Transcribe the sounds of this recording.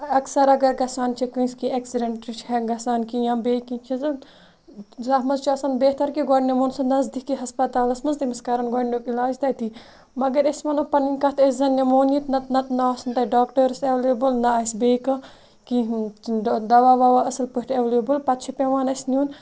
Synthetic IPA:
ɐksɐɾɐɡɐɾɡɐsaːnt͡ʃʰikũskieksiɖeɳʈɾit͡ʃʰɦɐɡɐsaːnkijãːbeːkĩnt͡ʃʰɐz | zɐɦmɐzt͡ʃʰɐsɐnbeːht̪ɐɾkiɡɔɖnemonsɐnɐzd̪ikːiɦɐspɐt̪aːlɐsmɐnzt̪imɐskɐɾɐnɡɔɖnʲokilaːd͡ʒt̪ɐjt̪i | mɐɡɐɾɐsmɐnopɐninkɐt̪ʰɐszɐnjɐmoːnit̪nɐt̪nɐt̪naaːsɐnt̪ɐɖaːkʈɐɾseʋleːbɨlnɐaːsbeːkɐ | ki | d̪ɐʋaːʋaʋaɐsɐlpɨʈʰeʋleːbɨlpɐt̪t͡ʃʰipeʋaːnɐsʲnʲjuːn

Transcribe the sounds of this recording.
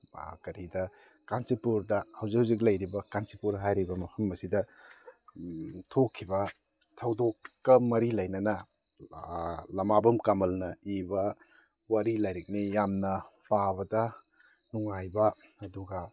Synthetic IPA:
kɐɾidɐ | kansipuɾdɐhɐwzikhawzik̬̚lɐjɾibɐkansipuɾɦajɾibɐmɐpʰɐmːɐsidɐ | tʰokʰːibɐ | tʰɐwdokːɐmɐɾilɐjnɐnɐ | lɐmabɐmkamɐlnɐibɐ | waɾilajɾik̚nijamnɐpʰabɐdɐ | nuŋajbɐɐduɡɐ

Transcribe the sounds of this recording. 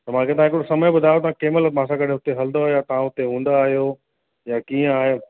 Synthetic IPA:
t̪ɐm̤ãkʰet̪ɐʋãɦɪkɽosɐməjbʊd̪ʱaːjot̪ɐʋ̤ãkeːməlmãːsãkɐɗ̤ʱɪ̃ɦʊt̪eɦɐld̪oaɦjat̪ɐɦãɦʊt̪eɦũːn̆d̪aːɦijo | jakiːə̃aːɦe

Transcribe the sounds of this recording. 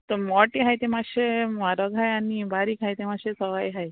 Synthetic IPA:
t̪omɔʈiɦajt̪emãʃemaɾɔɡʱajanibaɾikajt̪emãʃesɔʋajɦaj

